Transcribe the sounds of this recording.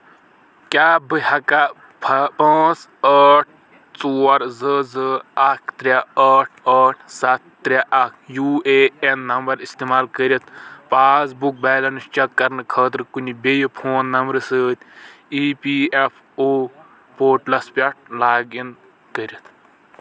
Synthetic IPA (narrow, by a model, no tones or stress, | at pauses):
kʲaːbɨhɐka | pʰɐpɐ̃ːt͡səːʈ̚ʰ | t͡soːɐɾzəzɨɐkʰt̪ɾʲaəːʈʰəːʈʰsɐt̪̚ːɾʲaʔɐkʰjueenːɐmbɐɾist̪emaːlkəɾʲit̪ʰpaːzbuk̚baːlɐnust͡ʃɐkːɐɾnɨkʰəːt̪̬ɾkunʲibejipʰoːnːɐmbɾɨsɨːt̪ʲʰ | iːpiːepʰ | oː | poːɾʈlɐspʲɐʈ̚ʰlaːɡin | kəɾit̪ʰ